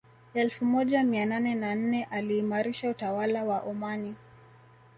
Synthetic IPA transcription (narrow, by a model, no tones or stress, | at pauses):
ɛlfumɔʄamiananɛnan̩nɛʔaliːmaɾiʃautawalawaʔɔmani